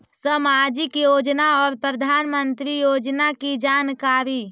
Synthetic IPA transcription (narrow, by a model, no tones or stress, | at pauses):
səmad͡ʒikjod͡ʒnaɔːɾpɾəd̪ʱanmənt̪ɾijod͡ʒnakid͡ʒankaɾi